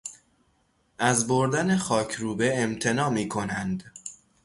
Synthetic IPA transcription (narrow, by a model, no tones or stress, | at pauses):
ʔæzboɾd̪æne̞xɒːcʰɾuːbeemt̪ʰe̞nɒːmiːkʰo̞nænd̪